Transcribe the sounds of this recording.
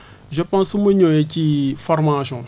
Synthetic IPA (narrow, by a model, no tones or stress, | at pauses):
ʒəpãsumũɲõjecifɔɾmasjɔ̃